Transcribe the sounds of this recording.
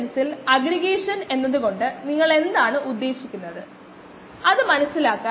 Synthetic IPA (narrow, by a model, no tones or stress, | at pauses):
nɐsilɐɡɾiɣeːʂɐne̞nːɐðuɣo̞ɳɖɨniŋːɐɭe̞nd̪aːɳɨʔud̪ːe̞ːɕikʲːunːɐðɨ | ɐðɨmɐnɐsːilaːkːa